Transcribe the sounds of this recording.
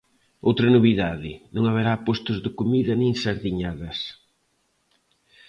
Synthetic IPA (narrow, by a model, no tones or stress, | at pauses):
owt̪ɾɐnoβiðaðɪnõŋaβeɾapost̪ʊzðɪkomiðɐnĩŋsaɾðiɲaðɐs